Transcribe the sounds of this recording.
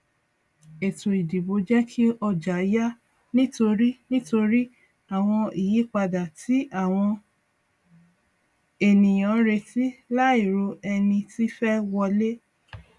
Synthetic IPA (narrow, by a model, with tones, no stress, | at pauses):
e˨to˨i˨di˨bo˨˦d͡ʒɛ˦kʰi˦ɔ˧d͡ʒa˨˦ja˦ | nĩ˦to˧ɾi˦nĩ˦to˧ɾi˦ | a˨w̃ɔ̃˧i˨ji˨˦k͡pa˧da˨ti˨˦a˦˨w̃ɔ̃˧ | e˨nĩ˨j̃ã˨˦ɾe˧ti˦la˦i˦˨ɾo˧ɛ˧nĩ˧ti˦fɛ˦wɔ˧le˦